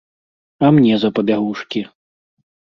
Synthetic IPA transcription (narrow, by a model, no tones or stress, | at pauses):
ɐmnʲɛzɐpɐbʲaɣuʂkʲi